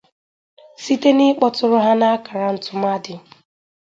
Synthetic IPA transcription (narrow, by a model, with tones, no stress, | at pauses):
si˦te˦nɪ˦k͡pɔ˦tʊ˦ɾʊ˦ɦa˦na˦ka˨ɾa˦n̩˨tʊ˨m˦a˦dɪ˨